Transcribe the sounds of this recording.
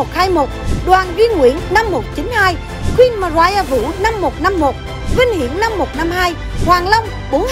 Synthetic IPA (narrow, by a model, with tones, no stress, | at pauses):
o˨˩t̚haː˧jmo˨˩t̚ɗwaː˨˩nɣi˧nŋwḭ˧˥˨ənːa˧mːo˨˩t̚t͡ɕi˨˦nhaː˧j | xwi˧nma˨˩zwaː˧˩jaː˧˩vɨ̰˧˥na˧mːo˨˩t̚na˧mːo˨˩t̚ | vï˧ŋ̟hḭ˧˨ənna˧mːo˨˩t̚na˧mɦaː˧j | hwaː˨˩ŋlə˧wŋ͡m | ɓo˨˦n